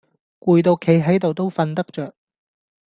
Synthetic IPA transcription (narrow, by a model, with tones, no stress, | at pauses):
kuː˧jt̪o˧wkʰe˨˥jɦɐ˨˥jt̪o˨wt̪o˥wfɐ˧nt̪ɐ˥k̚t͡ʃœː˨k̚